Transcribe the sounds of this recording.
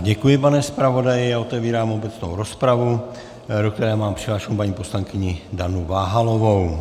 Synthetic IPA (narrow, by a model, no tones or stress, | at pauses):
ɟɛkujɪpanɛspɾavo̞dajɪjaːot̪ɛviːɾaːmo̞bɛt͡sno̰wɾo̞spɾavu | dok̚t̪ɛɾɛːmaːmpr̥ɪɦlaːʃkumpaɲiːpo̞slaŋkɪɲɪdanuvaːɦalovow